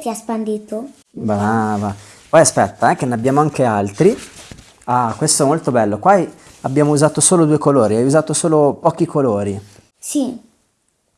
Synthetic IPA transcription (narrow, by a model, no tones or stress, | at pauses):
t̪iaspand̪iːt̪o | bɾava | pɔjaspɛt̪ːaɛk̟eneabːjaːmoaŋk̟ealt̪ɾi | akːwest̪oɛmolt̪obɛlːokwa | abːjaːmouzaːt̪osoːlod̪uekoloːɾiajuzaːt̪osoːlopɔːk̟ikʰoloːɾi | si